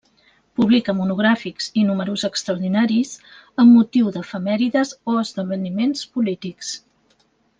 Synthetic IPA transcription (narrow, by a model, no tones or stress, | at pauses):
puβlikəmunuɣɾafikz̥inuməɾuzəkst̪ɾəuɾðinaɾiz | əmːut̪iwðəfəmɛɾiðəzoəzðəβənimenspulit̪iks